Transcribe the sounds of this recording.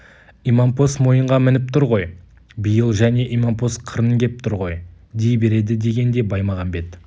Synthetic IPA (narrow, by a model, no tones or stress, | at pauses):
imampo̞smo̞jəɴʁɑmɪnɪp̚t̪ʰʊɾʁo̞j | bijəlˠʒæne̞ʔimampo̞sqʰəɾəŋɡʲe̞p̚t̪ʰʊɾʁo̞j | d̪ejbe̞ɾe̞d̪ɪd̪e̞ɡʲe̞nd̪e̞bɑjmɑʁɑnbe̞t̪